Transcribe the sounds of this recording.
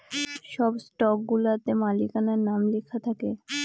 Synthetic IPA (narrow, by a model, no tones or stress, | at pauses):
ʃɔbsʈɔkɡulat̪emalikanaɾnamlekʰat̪ʰake